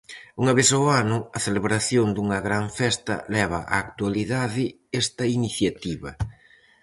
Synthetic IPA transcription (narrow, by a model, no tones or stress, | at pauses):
uŋɐβesoanʊɐθeleβɾaθjond̪uŋɐɣɾaɱfɛst̪ɐ̰lɛβ̞ɐʔa̰ːkt̪ualiðaðɪ | ɛst̪ɐiniθjat̪iβɐ